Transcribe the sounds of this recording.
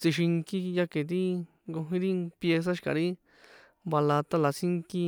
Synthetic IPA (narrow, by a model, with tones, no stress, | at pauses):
t͡si˧ʃi˧ŋki˦˧ja˦ke˨t̪̬i˦ | ŋɡo˧ɦĩ˧˦ɾi˦pje˧s̬a˦ʃi̥˧ka̰˨ɾi˦ | ba˧la˧t̪a˦la˨˧si˦ŋki˦˧